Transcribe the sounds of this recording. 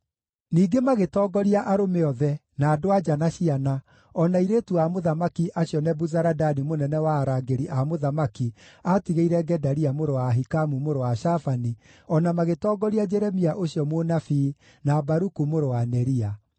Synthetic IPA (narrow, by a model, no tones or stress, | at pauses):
niːɡemaɣetɔːɡɔɾiaʔaɾomeɔðɛ | naːdoad͡ʒanaɕiana | ɔnaiɾetuamoðamakiʔaɕjɔnɛbuzaɾadanimonɛnɛwaːɾaɡeɾiʔamoðamakiatiɣeiɾɛɡɛdaɾiamoɾowaɦikamumoɾowaʃafaniɔnamaɣetɔːɡɔɾiad͡ʒɛɾɛmiaʔoɕiɔmonafi | nabaɾukumoɾowanɛɾia